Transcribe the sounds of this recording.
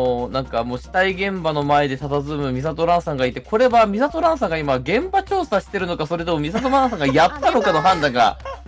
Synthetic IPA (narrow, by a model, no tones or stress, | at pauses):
nãŋkamoːɕi̥t̪aiɡẽ̞mbano̞mae̞d̪e̞t̪at̪azɨmɯ̟mʲisat̪o̞ɾãɰ̃sãŋɡait̪e̞kʰo̞ɾe̞bamʲisat̪o̞ɾãɰ̃s̬ãŋɡaimaɡẽ̞mbat͡ɕo̞ːsaɕi̥t̪e̞ɾɯ̟no̞kaso̞ɾe̞t̪omomʲisat̪oɾãsãŋɡajat̪ːano̞kano̞ɦãnd̪ãŋɡa̰